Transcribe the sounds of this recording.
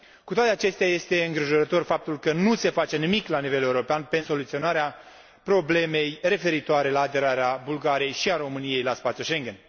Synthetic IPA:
kut̪oat̪eat͡ʃe̞st̪eaje̞st̪e̞ɨŋɡɾiʒoɾət̪o̞rfap̚t̪ulkənuse̞fat͡ʃe̞nimiklanive̞le̞uɾo̞peanpe̞so̞lut̪sio̞naɾea | pɾo̞ble̞me̞jre̞fe̞ɾit̪oaɾe̞laːd̪e̞ɾaɾeabulɡaɾie̞jʃiaɾo̞mɨnije̞jlaspat̪sjuʃe̞ŋɡen

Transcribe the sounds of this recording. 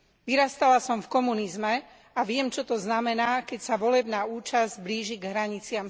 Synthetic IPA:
ʋiɾast̪alasɔmfkɔmunizmɛ | aʋɪɛmt͡ʃɔt̪ɔznamɛnaːkɛcsaʋɔlɛbnaːuːt͡ʃazbliːʒiɡɦɾaɲit͡sɪam

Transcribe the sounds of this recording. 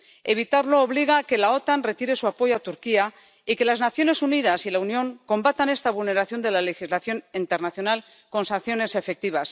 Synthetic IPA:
e̞β̞it̪aɾlo̞ːβ̞liɣ̞ake̞lao̞t̪anre̞t̪iɾe̞suapo̞ʝoat̪uɾkia | ike̞laznaθjo̞ne̞suniðasilaunjõ̞ŋko̞mbat̪ane̞st̪aβulne̞ɾaθjo̞nd̪e̞lale̞xizlaθjo̞nint̪eɾnaθjonal | ko̞nsanθjo̞ne̞se̞fe̞k̚t̪iβ̞as

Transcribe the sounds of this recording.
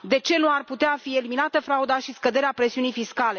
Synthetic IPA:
d̪e̞t͡ʃe̞nuarput̪eafie̞liminat̪əfɾaud̪aʃiskəd̪e̞ɾeapɾe̞siunijfiskale̞

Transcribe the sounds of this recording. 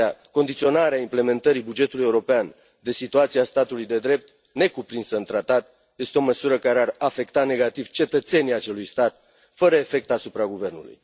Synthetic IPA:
ako̞nd̪it̪sio̞naɾeaimple̞me̞nt̪əɾibud͡ʒe̞t̪uluje̞uɾo̞pean | d̪e̞sit̪uat̪siast̪at̪ulujd̪e̞d̪ɾe̞p̚t̪ | ne̞kupɾinsəɨnt̪ɾat̪at̪ | je̞st̪eo̞məsuɾəkaɾearafe̞kt̪ane̞ɡat̪iv̥t͡ʃe̞t̪ət̪se̞niat͡ʃe̞lujst̪at̪̚ | fəɾəe̞fe̞k̚t̪asupɾaɡuve̞rnṵlṵj

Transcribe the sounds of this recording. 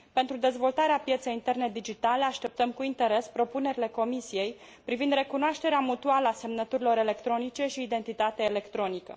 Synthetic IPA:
pe̞nt̪ɾud̪e̞zvo̞lt̪aɾeapje̞t̪se̞jint̪e̞rne̞d̪id͡ʒit̪ale̞aʃt̪e̞p̚t̪əmkuint̪e̞ɾe̞spɾo̞pune̞ɾile̞ko̞misije̞j | pɾivind̪ɾe̞kunoaʃt̪e̞ɾeamut̪ualəase̞mnət̪uɾilo̞ɾe̞le̞kt̪ɾo̞nit͡ʃe̞ʃiːd̪e̞nt̪it̪at̪eaele̞kt̪ɾo̞nikə̰

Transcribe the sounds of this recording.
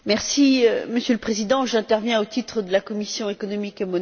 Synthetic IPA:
mɛʁsiøməsjøləpχezid̪ɑ̃ʒɛ̃t̪ɛʁvjɛ̃ot̪it̪χəd̪əlakɔmisjɔ̃ekɔnɔmikemɔn

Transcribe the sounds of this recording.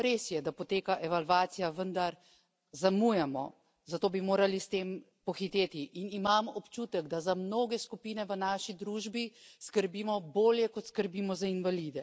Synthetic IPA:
ɾeːsjɛd̪apɔt̪eːkaʔɛʋalʋaːt̪sijaʋənd̪aɾ | zamujamɔ̰ | zat̪oːbimoːɾalist̪em | pɔxit̪eːt̪iʔinimaːmɔpt͡ʃuːt̪ɛɡd̪azamnoːɡɛskupiːnɛʋənaːʃid̪ɾuːʒbiskəɾbimɔboːljɛkɔt̪skəɾbiːmɔzainʋalid̪ɛ

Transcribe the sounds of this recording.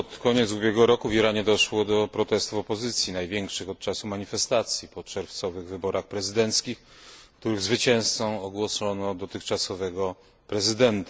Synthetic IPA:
pɔt̪kɔɲɛt̪subʲjɛɡɔɾɔkuvʲiɾaɲɛd̪ɔʂwɔd̪ɔpɾɔt̪ɛst̪ufɔpɔzɘt̪sʲjinajvʲjɛŋkʂɘxɔt̪̚t͡ʂasumaɲifɛst̪at̪sʲjipɔt͡ʂɛɾft̪sɔvɘɣvɘbɔɾʔaxpɾɛzɘd̪ɛnt̪skʲixkt̪uɾɘɣzvɘt͡ɕɛ̃w̃st̪sɔ̃w̃ɔɡwɔsɔnɔd̪ɔt̪ɘxt͡ʂasɔvɛɡɔ | pɾɛzɘd̪ɛnt̪a

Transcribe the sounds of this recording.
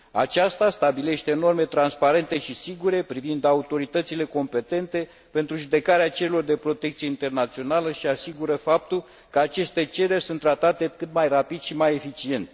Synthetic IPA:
a̰t͡ʃast̪ast̪abile̞ʃt̪e̞ːno̞rme̞t̪ɾanspaɾe̞nt̪e̞ʃisiɡuɾe̞pɾivind̪aut̪o̞ɾit̪ət̪sile̞ko̞mpe̞t̪e̞nt̪e̞ | pe̞nt̪ɾuʒud̪e̞kaɾeat͡ʃe̞ɾelo̞rd̪e̞pɾo̞t̪ekt̪sijeint̪e̞rnat̪sio̞naləʃiasiɡuɾəfap̚t̪ul | kəat͡ʃe̞st̪e̞t͡ʃe̞ɾe̞rʲsunt̪ːɾat̪at̪e̞kɨt̪majrapid̪ʃimaje̞fit͡ʃie̞nt̪sʲ

